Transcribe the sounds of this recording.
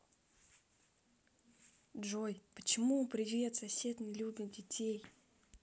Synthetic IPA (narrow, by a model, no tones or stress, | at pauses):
dʐojpət͡ɕɪmupɾʲɪvʲjʲet̪sɐsʲe̞t̪nʲɪlʲubʲɪt̪̚dʲɪtʲʰej